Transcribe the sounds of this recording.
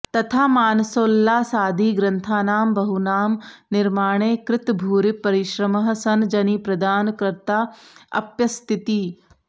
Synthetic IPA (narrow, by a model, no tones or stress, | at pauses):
t̪ɐt̪ʰaːmaːnɐsoːlːaːsaːd̪ʱiːɡɾɐnt̪ʰaːnaːmbɐɦunaːmnɪɾmaːɳ̃eːkɾɪt̪bʱuːɾipɐɾɪʃɾɐmɐɦɐ̆sɐnd͡ʒɐniːpɾɐd̪aːnkɾɐɾt̪aːɐ̰pjɐst̪ʰɪt̪iː